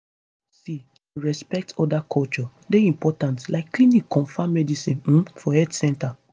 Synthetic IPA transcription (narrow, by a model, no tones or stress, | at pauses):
si | uɹɛspɛk̚tʰɔdakʰɔlt͡ʃɔ | deĩmpɔtãntlaɪkːlinikʰːɔ̃nfamɛdisĩn̩fɔɛdsɛ̃nta